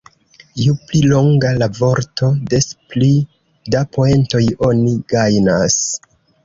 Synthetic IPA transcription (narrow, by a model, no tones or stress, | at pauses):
juplilo̞ŋɡalavo̞ɾto̞de̞spli | dapoe̞nto̞jo̞niɡajnas